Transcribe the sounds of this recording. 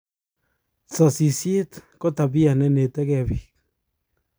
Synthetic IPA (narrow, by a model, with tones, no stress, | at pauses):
t͡sa˨si˨sje˦t̪ko˦ta˨βi˦a˨nɛ˦ne˨tɛ˦kɛ˦˨βi˨k